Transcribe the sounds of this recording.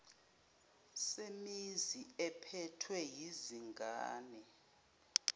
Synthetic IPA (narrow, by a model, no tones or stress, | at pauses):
semiziɛpʰɛtʰwɛjiziŋɡʱaːnɛ